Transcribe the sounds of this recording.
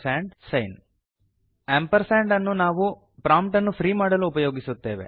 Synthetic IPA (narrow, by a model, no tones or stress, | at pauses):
saːɳɖsɐjn | eːmpɐɾsaːɳɖɐnːunaːʋu | pɾaːmpʈɐnːupʰɾiːmaːɽɐluːpɐjo̞ːɡisut̪ːe̞ːʋe̞̰